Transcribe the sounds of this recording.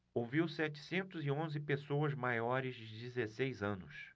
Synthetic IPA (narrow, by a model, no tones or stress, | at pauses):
owviwsɛt͡ʃɪ̥sẽnt̪ʊzɪõzɪpesowɐzmajɔɾɪzd͡ʒɪd͡ʒizesejzɐ̃nʊs